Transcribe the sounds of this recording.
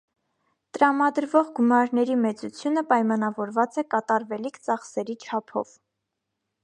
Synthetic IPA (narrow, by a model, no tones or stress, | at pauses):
t̪əɾɑmɑd̪əɾvɔʁɡumɑɾnɛɾimɛt͡sut͡sʰjunəpɑjmɑnɑvɔɾvɑt͡sɛkɑt̪ɑɾvɛlikʰt͡sɑχsɛɾit͡ʃʰɑpʰɔ̰v̥